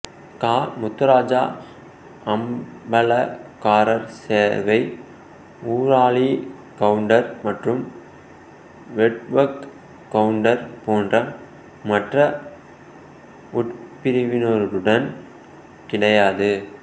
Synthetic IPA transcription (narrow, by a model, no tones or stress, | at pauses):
kaːmʊt̪ːɐɾaːd͡ʒaː | ɐmbɐlɐkaːɾɐɾseːɾʋɐɪ | uːɾaːɭi | kɐɯɳɖɐɾmɐʈrɯm | ʋɛʈʋɐkː | ɐɯɳɖɐɾpoːndrɐ | mɐʈrɐ | ʊʈpɪɾɪʋɪnɔɾɯɾɯɽɐn | kɪɽɐjaːðɯ